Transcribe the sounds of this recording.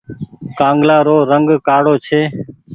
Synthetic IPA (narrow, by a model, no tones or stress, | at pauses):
kãːŋɡlaːɾoːɾəŋɡkaːɽoːt͡ʃʰeː